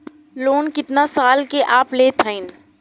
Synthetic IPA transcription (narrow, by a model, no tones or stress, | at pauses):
loːnkɪt̪nasaːlkeʔaːpleːt̪ʰəɪn